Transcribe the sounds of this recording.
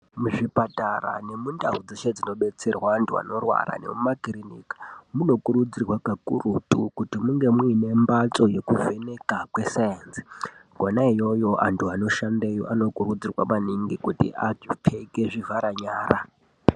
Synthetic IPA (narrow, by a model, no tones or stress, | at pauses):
muʐipatara̰ne̞mundaud͡ziʃed͡zino̞ɓet͡se̞rwantʰua̰no̞rwa̰ɾa̰ne̞̰mumakirinḭkḁmuno̞kuɾud͡zirwakakurutʼukutimuŋɡe̞mwuine̞mbat͡so̞je̞kuve̞ne̞kakwe̞sajansi̥ɡʱonaijo̞jo̞ʔa̰ntʰuano̞ʃandejo̰ʔano̞kuɾud͡zirwa̰maniŋɡikutḭʔad͡ʒipʰe̞ke̞ʐivaɾaɲaːra